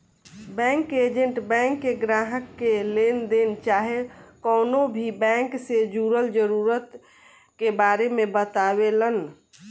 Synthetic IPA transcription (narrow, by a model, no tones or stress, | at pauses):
bɛ̃ŋked͡ʒəɳʈbɛ̃ŋkːeɡɾaɦəkːelend̪ent͡ʃaɦekɔnobʱibɛ̃ŋksed͡ʒuɾəld͡ʒəɾuɾət̪ | kebaɾemebət̪abelən